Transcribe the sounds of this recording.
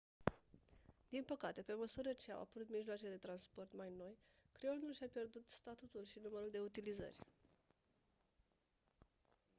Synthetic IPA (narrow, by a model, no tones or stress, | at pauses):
d̪̥inpəkat̪e̞pe̞məsuɾət͡ʃe̞a̰wa̰pəɾut̪miʒloat͡ʃeled̪e̞t̪ɾanspo̞rt̪majno̞jkɾeo̞nulʃiapje̞rd̪ut̪st̪at̪ut̪ulʃinuməɾuld̪e̞ut̪ilizə̰rʲ